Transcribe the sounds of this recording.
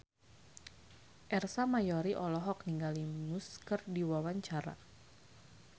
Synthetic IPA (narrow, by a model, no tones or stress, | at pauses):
ʔɛrsamajɔɾiʔɔlɔɦɔk̚niŋɡalimuskərdiwawaɲt͡ʃaɾa̰